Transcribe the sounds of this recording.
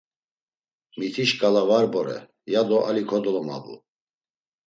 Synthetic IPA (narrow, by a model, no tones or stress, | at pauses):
mit̪ʰiʃkʼalavaɾbɔɾɛ̰ | jad̪ɔʔalikʰɔd̪ɔlɔma̰bṵ